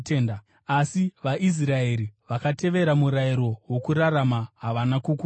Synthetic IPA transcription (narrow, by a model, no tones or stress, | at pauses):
teːnda | asiʋaʔis̬rae̞ɾiʋakate̞ʋe̞ɾamuɾaiɾo̞wo̞kuɾaramaɦaʋanakuku